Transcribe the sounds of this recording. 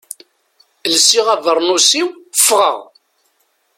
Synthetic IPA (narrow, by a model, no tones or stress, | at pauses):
lsiʁævəɾˤnusiwfʁə̰ʁ